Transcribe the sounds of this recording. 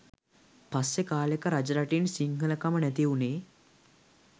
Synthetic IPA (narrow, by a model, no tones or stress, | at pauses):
pasːekaːlekəɾad͡ʒɐɾaʈinsiŋɡʱələkamənɛt̪iuneː